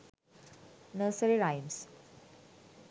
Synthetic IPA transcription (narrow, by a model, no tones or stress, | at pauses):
nəːsəɾiɾajms